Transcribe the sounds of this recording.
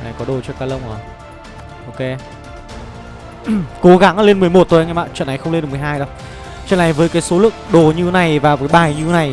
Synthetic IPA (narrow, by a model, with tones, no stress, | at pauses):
na˨˩jkɔ˨˦ɗo˨˩t͡ɕɔ˧kaː˧lə˧wŋ͡mʔo˨˩j | ʔo˧wke˨˦ | ko˨˦ɣa˨˦ŋ˧le˧nmɨ˨˩əjmo˨˩t̚t̪o˨˩˨ŋː˧˩ɓa̰ː˧˨nt͡ɕə̰˧˨na˨˩jxə˧wŋ͡mln̚˨˩m˨˩ɦaː˧jɗo˨˧˦ | t͡ɕə̰˧˨nʔːa˨˩jvəː˨˦jkaː˨˦jso˨˦lɨ̰˧˨əŋ̚ɗo˨˩ɲɨ˧t̪ʰe˨˦na˨˩jvaː˨˩wkaː˨˦jɓaː˨˩jɲɨ˧e˨˦na˨˩j